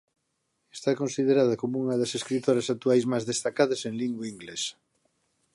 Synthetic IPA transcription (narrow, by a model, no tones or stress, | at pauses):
est̪akonsiðeɾað̞ɐkomouŋɐðɐseskɾit̪oɾɐsak̚t̪uajzmazðest̪akaðɐsẽŋliŋɡwaiŋɡlesɐ̥